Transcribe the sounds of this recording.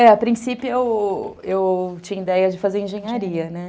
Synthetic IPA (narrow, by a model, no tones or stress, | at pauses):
ɛapɾĩsipjʊewewt͡ʃĩɲɐid̪ɛjɐd͡ʒɪfazeɾĩʒẽɲaɾiɐnɛ